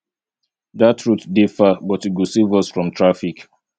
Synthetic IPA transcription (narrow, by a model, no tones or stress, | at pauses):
datɹutdifabɔtiɡusivɔsfɹɔ̃mtʰɹafik